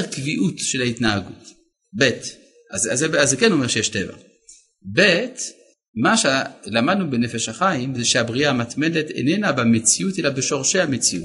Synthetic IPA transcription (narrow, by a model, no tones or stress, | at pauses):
ʁkviʔutʃelaitnaaɡut | bet | azazeazekeno̞meʃejeʃteva̰ | bet | maʃelamad̪nubenefeʃaχaimzeʃeabʁiaːmat̪medetḛnenabemet͡siutelabeʃo̞ʁʃe̞hamet͡siṵt